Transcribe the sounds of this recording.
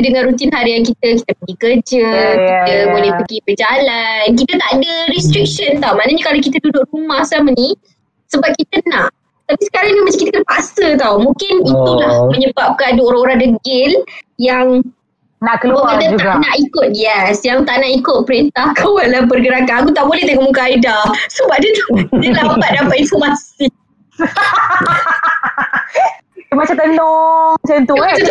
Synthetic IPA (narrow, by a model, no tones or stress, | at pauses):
dəŋãnɾut̪̬inɦaɾiank̬it̪əkit̪əpəɡikərd͡ʒəkit̪əbulɛhpəɡibəd͡ʒalank̬it̪ət̪aʔadəɾist̪ɾik̚ʃənt̪awmanəɲəkalawk̬it̪ədudʊkrumahsaməni | səbap̚kit̪ənãʔ | t̪apisə̥kaɾaŋnamat͡ʃakit̪əkənpasət̪awmũkɪnit̪ulahmə̃ɲəbap̚kanduoɾaŋoɾaŋdəɡɪljaŋ | naʔkəlubaadatd͡ʒuaɡanaʔikʊt̪̚jɛsjaŋt̪aʔnaʔikʊt̪̚pəɾint̪ahkʰawalabərɡəɾakanakut̪aʔbolɛht̪akəmukaːidasəbaʔ̚dət̪dəlapat̪̚dampaʔ̪infɔmasi | əmat͡ʃat̪əlot͡ʃant̪ut̪u